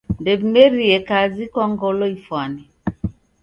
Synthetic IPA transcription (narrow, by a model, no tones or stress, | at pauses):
ndebmeɾiɛkazikwaŋɡɔlɔifwani